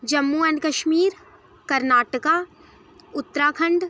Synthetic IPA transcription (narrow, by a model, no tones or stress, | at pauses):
d͡ʒɐmːuːɐnkɐʃmiːɾ | kɐɾnaːʈəkaː | ʊt̪ːɾaːkʰə̃ɳɖ